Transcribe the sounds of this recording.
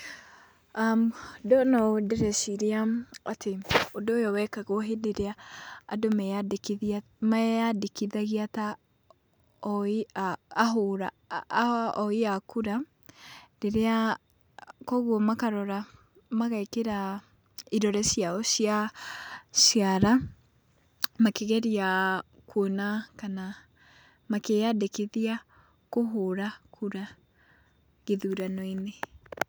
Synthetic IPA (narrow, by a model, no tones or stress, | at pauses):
amdɔnɔdeɾɛʃiɾeaatʰeodoːjɔwɛkaɣoɦedeɾeaːdomɛaki | maadekiðaɣiata | ɔiaːɦoɾa | ɔiakuɾa | deɾea | kɔɣwɔmakaɾɔɾa | maɣaikeɾa | iɾɔɾɛsiaɔɕja | ɕiaɾa | makeɣɛɾia | kwonakana | makejadekeðia | koɦoɾakʰuɾa | ɣeðuɾanɔine